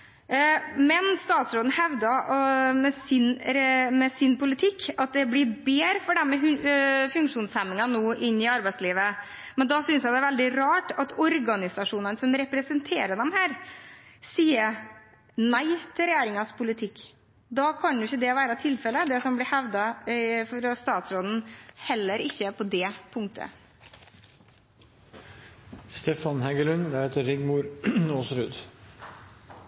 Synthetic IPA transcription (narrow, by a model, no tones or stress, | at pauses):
mɛnst̪ɑːt̪sɾoːd̪n̩hɛʋd̪ɑmɛsɪnɾmɛsɪnpʊlɪt̪ʰɪkːɑt̪̚d̪ɛblɪbeːɾfɔɖɛmːɛfʉŋkʂuːnshɛmːɪŋɑnoːʔɪnːɪɑɾbæɪt̪sliːʋə | mɛnd̪ɑsʏnsjæɪd̪ɛæɾʋɛld̪ɪɾɑːʈɑt̪ɔɾɡɑnɪsɑʂuːnɑnsɔmɾɛpɾɛsənt̪ʰeːɾəɖ̪ɛmhæːɾ | siːəɾ | næɪt̪ʰɪlɾɛjæːɾɪŋɑspʰʊlɪt̪ʰɪkː | d̪ɑːkʰɑnj̪ʊɪçːəd̪ɛʋæːɾət̪ʰɪlfɛlːəd̪ɛsɔmblɪhɛʋd̪ɑfɔɾst̪ɑːt̪sɾoːd̪n̩hɛlːəɾɪçːəpʰɔd̪ɛpʰʊŋt̪ʰə̰ | st̪ɛːfɑnhɛɡəlʉnʋæheːt̪əɾɪɡmuːɾoːsɾʉːd̪